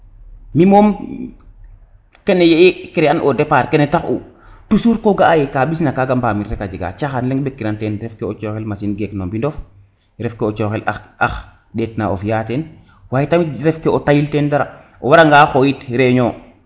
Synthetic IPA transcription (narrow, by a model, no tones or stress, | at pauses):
mimoːm | kɛnɛjɛikɛɾɛanʔodɛpaːɾkɛnɛtaxṵ | tusuːɾkoɡaajekaːɓis̬nakaːɡambaːmiɾɾɛkad͡ʒɛɡa̰ːt͡ʃaxanlɛŋbɛkːiɾantɛnɾɛfkɛot͡ʃɔːxɛlmasinɡɛknombindɔf | ɾɛfkɛot͡ʃɔxɛlaax | ɗɛːtna̰o̰fjaːtɛn | waːjitamiɾɛfkɛɔtajiltɛːndaɾa̰ | ɔwaɾaŋɡaːxojitɾɛɲoː